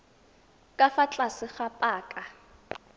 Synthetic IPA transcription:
kʼafat͡ɬʼasɪχapʼaːkʼa

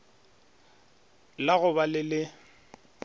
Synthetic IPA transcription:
laɣʊbalɪlɪ

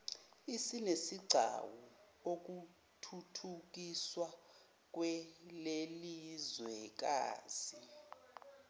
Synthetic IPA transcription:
isinesiɡ͡ǀʱa̰wu | ok̬u | tʰutʰuk̬iswa | k̬wɛlelizwɛk̬a̰ːz̥i

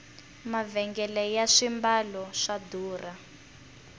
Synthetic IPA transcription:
mavɛŋɡɛlɛjaʂimbalɔʂaduːra

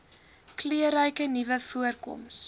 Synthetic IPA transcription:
kliəɾəjkənivəfuərkɔ̰ms

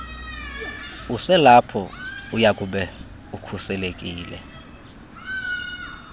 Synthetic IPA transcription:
usɛlapʰɔujakʼuɓɛ | ukʰusɛlekʼiːlɛ̰

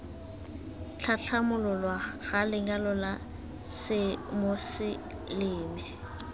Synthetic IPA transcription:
t͡ɬʰat͡ɬʰamʊlɔlwaɣalɪŋɡalɔla | sɪmosɪ | lɪːmɪ

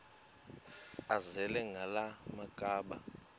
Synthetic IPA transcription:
azɛlɛŋɡʱalamakʼaːɓa

